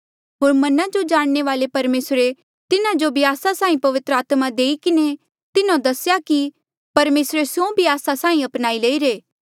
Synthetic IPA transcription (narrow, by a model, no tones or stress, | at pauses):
ɦoːɾmɐnãd͡ʒod͡ʒaːɽ̃neʋaːlepɐɾmeːsɾe | t̪ɪnãd͡ʒobʱiaːsasãːĩpɐʋɪt̪ɾəaːt̪mãd̪eːikɪne | t̪ɪnãd̪ɐsjaki | pɐɾmeːsɾesjõbʱiaːsasãːĩɐpnaːileːiɾeː